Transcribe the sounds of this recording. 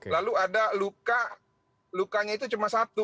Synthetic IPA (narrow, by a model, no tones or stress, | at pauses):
kelaluadaluka | lukaɲait̪̬ut͡ʃumasat̪u